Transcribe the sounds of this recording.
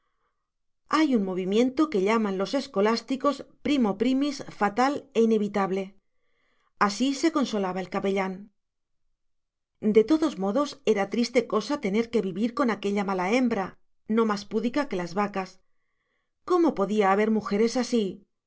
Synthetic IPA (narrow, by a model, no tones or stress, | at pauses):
ajuŋmo̞β̞imjẽ̞nt̪o̞ke̞ʎamãnlo̞se̞sko̞last̪iko̞spɾimo̞pɾimisfat̪ale̞ine̞βit̪aβle̞ | asise̞ko̞nso̞laβae̞lkape̞ʎaŋ | d̪e̞t̪o̞ðo̞zmo̞ðo̞se̞ɾat̪ɾist̪e̞ko̞sat̪e̞ne̞ɾke̞βiβiɾko̞nake̞ʎamalae̞mbɾa | no̞maspuðikake̞lazβakas | ko̞mo̞po̞ðiaːβe̞ɾmuxe̞ɾe̞sasi